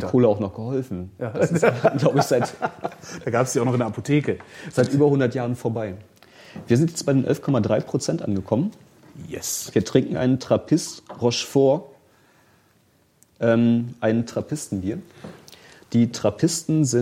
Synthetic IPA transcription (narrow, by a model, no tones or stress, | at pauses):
kʰoːləaʊxnɔχɡ̥əhɔlfn̩sɡ̥laʊbəɪçz̥aɪtd̥aːɡaːpə̥sjaʊnɔχɪndɛɐʔapʰotʰeːkəz̥aɪtʔyːbɐhʊndɐtjaːʁ̞ənfoːɐbaɪ | viːɐzɪntjɛt͡stb̥aɪdeːnʔɛ̰lfkʰɔmadʁaɪpʁ̥ot͡sɛntʔa̰nɡəkʰɔmən | jɛsviːɐtʁ̥ɪŋkŋ̩ʔaɪnəntʁ̥apʰɪstʁɔʃfoːɐ | ʔɛːmʔaɪnəntʁ̥apʰɪstn̩biːɐ | d̥iːtʁ̥apʰɪstn̩zɪ